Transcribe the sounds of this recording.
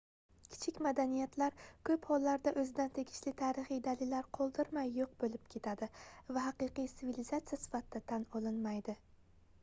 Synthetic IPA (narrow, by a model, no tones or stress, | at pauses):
kʲʰɪ̥t͡ʃʰɪkʲmad̪anijat̪ʰlaɾkʰɵphɒlˠːaɾd̪aʔɵzɪd̪ant̪ʰe̞ɡʲɪʃlɪt̪ʰaːɾɪχijd̪alɪlːaɾqʰolˠd̪ɪɾmajːoq̚bolɪp̚kʲʰe̞t̪ʰad̪ɪvaɦɑqɨqɨjsɪvilizat̪sijasɪ̥fat̪ʰɪd̪at̪ʰanɒlˠɪnmajd̪ɪ